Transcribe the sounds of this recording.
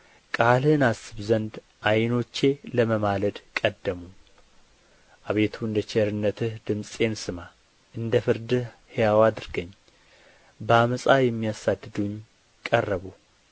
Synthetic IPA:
kʼalhɨnasɨβzənd̪ | ʔajno̞t͡ʃːe̞ləməmaləd̪kʼəd̪ːəmu | ʔaβe̞t̪ʰuɨnd̪ət͡ʃeɾɨnːət̪ʰɨhd̪ɨmsʼe̞nsɨma | ʔɨnd̪əfɨɾd̪ɨhejawad̪ɨɾɡəɲː | bəaməsʼajɛmːijasad̪ːɨd̪uɲː | kʼərːəβu

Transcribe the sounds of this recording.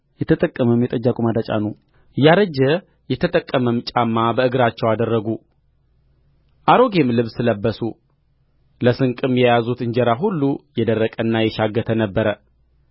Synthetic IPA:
jɛt̪ʰət̪ʼəkʼːəməmjɛt̪ʼəd͡ʒːakʼumad̪at͡ʃʼa̰nu | ɨjːaɾəd͡ʒːə | jɛt̪ʰət̪ʼəkʼːəməmt͡ʃʼamːabəɨɡɨɾat͡ʃːɛwad̪ərːəɡu | ʔaɾo̞ɡe̞mlɨβsɨləbːəsu | ləsɨŋkʼɨmjɛjazut̪ɨɲd͡ʒɛɾaɦulːujɛd̪ərːəkʼəɨnːajɛʃaɡːət̪ʰənəbːəɾə

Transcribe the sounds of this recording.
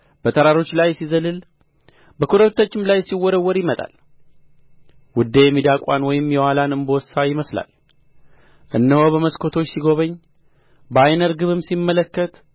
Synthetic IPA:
bət̪ʼʰəɾaɾo̞t͡ʃːlajsizəlɨl | bəkʰuɾəβt̪ʰːət͡ʃːɪmlajsiwːɔɾəwːɔɾjɪmət̪ʼa̰l | wʊd̪ːejɛmid̪akʼanwɔjɪmjɛwalanɨnbosajɪməsla̰l | ʔɨnːəhobəməskʰo̞t̪ʰo̞t͡ʃːsiɡo̞βəɲː | bajnəɾɡɨβɨmsimːələkːət̪

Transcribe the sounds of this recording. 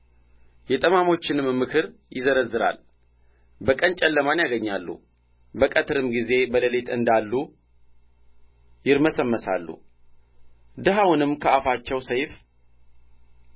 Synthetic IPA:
jɛt̪ʼəmamo̞t͡ʃːɪnɨmmːɨkʰɨɾjɪzəɾəzːɨɾa̰l | bəkʼənt͡ʃʼɛlːəmanjaɡəɲːalːṵ | bəkʼət̪ʰɨɾɨmɡize̞bələlet̪ɨnd̪alːu | jɪɾməsəmːəsa̰lːṵ | d̪ɨɦawʊnɨmkʰəafat͡ʃːɛwsəjf

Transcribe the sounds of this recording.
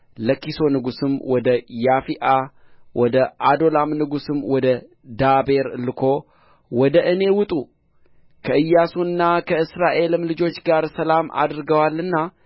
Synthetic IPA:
ləkːiso̞nɨɡusɨmwɔd̪əjafiʔa | wʔɔd̪əʔad̪o̞lamnɨɡusɨmwɔd̪ə | d̪abe̞ɾlɨkʰo̞ | wɔd̪əʔɨne̞wʊt̪ʼu | kʰəɨjːasuɨnːakʰəɨsɾaʔe̞lɨmlɨd͡ʒo̞t͡ʃːɡaɾsəlama̰d̪ɨɾɡəwalːɨnːa

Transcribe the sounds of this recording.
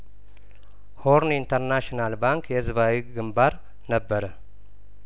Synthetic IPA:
hoɾnint̪ʰəɾnaʃinalbaŋkjɛzɨβawiɡɨmbaɾ | nəbːəɾə

